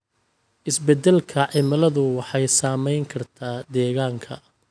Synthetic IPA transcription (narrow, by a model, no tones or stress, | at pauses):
ʔɪsbɛd̪ːɛlkʰɐʕɪmɐlɐðʊwɑħɑjsaːmɛjŋkʰɐrt̪ʰaːd̪ɛːɣaːŋkʰɐ̰